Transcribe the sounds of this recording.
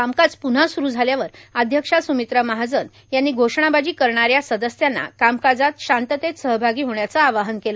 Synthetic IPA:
kamkad͡zpun̤asuɾuːd͡zʱaljaʋəɾəd̪ʱjəkʂasumit̪ɾəmaɦad͡zən | janːiːɡʱoʂɳ̃abad͡ʑiːkəɾɳaɾjasəd̪əsjanːa̰kamkad͡zat̪ɕant̪ət̪et̪səɦbʱaɡiːɦoɳjat͡saːʋaɦənkelə

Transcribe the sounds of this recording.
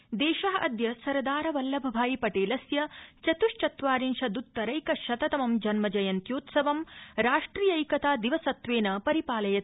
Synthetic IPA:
d̪ɛːʃɐɦɐʔɐd̪jɐsɐɾɐd̪aːɾɐʋɐlːɐbʱɐbʱaːjipɐʈeːlɐsjɐt͡ʃɐt̪uʃt͡ʃɐt̪ʋaːɾinʃɐd̪ut̪ːɐɾɐjkɐʃɐt̪ɐt̪ɐmɐmd͡ʒɐnmɐd͡ʒɐjɐnt̪joːt̪sɐʋɐmɾaːʂʈɾijɐjkɐt̪aːd̪iʋɐsɐt̪ʋeːnɐpɐɾipaːlɐjɐ

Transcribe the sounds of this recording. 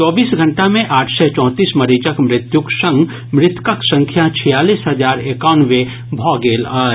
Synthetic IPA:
t͡ʃɔːbiːsɡʱə̃ɳʈamẽʔaːʈʰsɛt͡ʃɔ̃ːt̪iːsmɐɾiːd͡ʒəkmɾɪt̪jʊksə̃ŋɡ | mɾɪt̪kəksə̃ŋkʰjat͡ʃʰijaːliːsɦɐd͡ʒaːɾekaːnʋe | bʱɔːɡeːlaː

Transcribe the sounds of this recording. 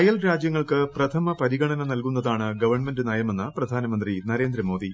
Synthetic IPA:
ɐjɐlɾaːd͡ʑjɐŋːɐɭkɨprɐt̪ʰɐmɐpɐɾiɣɐɳɐnɐnɐlkunːɐðaːɳɨɡɐʋɐrɳmendɨnɐjɐmenːɐprɐd̪ʱaːnɐmɐnd̪rinɐɾeːnd̪ɾɐmo̞ːd̪i

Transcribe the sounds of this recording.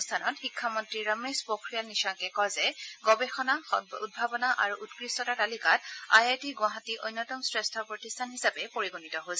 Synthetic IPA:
stʰanɔtxikʰːamɔntɹiɹamɹespokʰɹijalniʃaŋkɛkɔzɛɡɔbexɔnaud̚bʱabɔnaʔaɹuʔutkɹistɔtatalikata̰jajtiɡwaɦatiʔojnːɔtɔmsɹestʰɔpɹɔtistʰanhisapɛpoɹiɡunitɔɦosɛ

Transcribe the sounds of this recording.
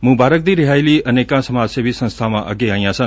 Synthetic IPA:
mʊ̃baːɾək̚d̪iːɾɪɦaːiliːəneːkãsəmaːseʋisə̃nst̪ʰamãʔə̰ɡeaːĩjãsə̃

